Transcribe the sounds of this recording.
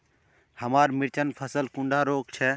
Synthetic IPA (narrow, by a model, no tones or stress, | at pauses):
həmaːɾmɪɾt͡ʃənpʰəsəlkʊ̃ɳɖʱaːɾoːkt͡ʃʰɛː